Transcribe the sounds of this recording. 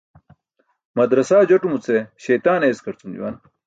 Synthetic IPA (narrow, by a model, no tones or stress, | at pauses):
mɐd̪ɾɐsaːd͡ʑoʈumut͡seɕejt̪aːneːskʰɐɾt͡sumd͡ʑṵwa̰n